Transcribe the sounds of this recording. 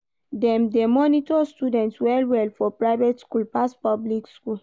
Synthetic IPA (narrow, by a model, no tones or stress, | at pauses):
dɛ̃mdemɔnitɔstudɛ̃ntswɛlwɛlfɔpɹaɪvetskulpastpɔblikskul